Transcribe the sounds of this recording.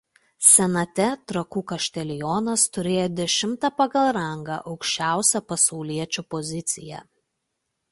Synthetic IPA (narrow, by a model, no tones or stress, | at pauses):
sʲɛnɐt̪ʲɛt̪ɾɐkuːkɐʃʲt̪ʲɛlʲɪjɔːnɐst̪ʊɾʲeːjoːd̪ʲɛʃʲɪmt̪ɑːpɐɡɐlˠɾɐŋɡɑ̰ʔɒʊkʃʲt͡ʃʲæˑʊsʲɛpɐsɒʊlʲiɛt͡ʃʲupɔzʲɪt̪sʲɪ̰jɛ̰